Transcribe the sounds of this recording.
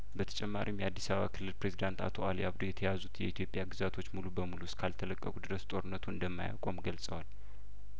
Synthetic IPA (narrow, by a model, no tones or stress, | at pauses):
bət̪ʰə̥t͡ʃʼɛmːaɾʔimjɛad̪ːisaβəβa̰kʰɨlːɨlpɾe̞zid̪ant̪a̰t̪ʰo̞aliaβd̪ujɛt̪ʰəjazut̪jɛʔit̪ʰijo̞pʼjaɡɨzat̪ʰo̞t͡ʃːmulubəmuluskʰalt̪ʰələkʼːəkʼud̪ɨɾəst̪ʼo̞ɾɨnːət̪ʰuɨnd̪əmːa̰ja̰wkʼo̞mɡəlsʼə̰wal